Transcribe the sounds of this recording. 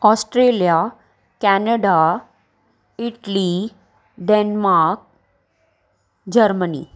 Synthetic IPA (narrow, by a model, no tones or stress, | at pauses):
ɔsʈɾelija | kɛnəɖa | iʈli | ɖenmaɾk̚ | d͡ʑəɾmənḭ